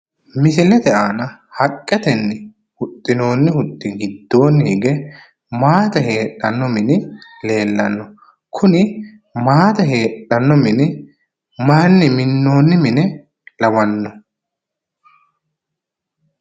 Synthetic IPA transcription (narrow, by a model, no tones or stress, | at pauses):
mɪsɪlɛd̪ɛʔaːnɐhɐkʼːɛt̪ɛnːɪ | hʊt̪ʼːɪno̞ːnːɪhʊt̪ːɪɡɪd̪ːo̞ːnːɪɡɛ | maːt̪ɐhe̞ːᶑːɐnːɔmɪnɪle̞ːlːɐnːɔ | kʰʊnɪ | maːt̪ɐɦe̞ːᶑɐnːɔmɪnɪ | maːnːɪmɪnːo̞ːnːɪmɪnɛ | lɐwɐnːɔ